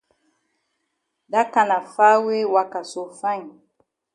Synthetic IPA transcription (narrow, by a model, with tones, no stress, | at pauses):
da˦ka˨na˨fa˦we˦wa˦ka˨so˨fa˦˨ɲ˨